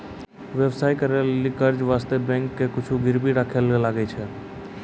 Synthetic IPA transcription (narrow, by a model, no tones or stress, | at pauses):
ʋjɛʋsaːikəɾelːikəɾd͡ʒʋaːst̪ebɛ̃ːŋkːekʊt͡ʃʰuɡɪɾbʱiɾaːkʰelɡelaɡəit͡ʃʰɛ